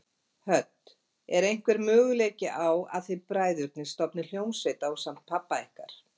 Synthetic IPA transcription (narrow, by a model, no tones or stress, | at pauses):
hœt̪ | ɛɾejŋ̥kvɛɾmœːɣʏleːcɪʔawa̰ðθipɾaːjðʏɾk̚nɪst̪ɔpnɪl̥joːwnsvejt̪awsam̥t̪̚pʰːapːaehkaɾ̥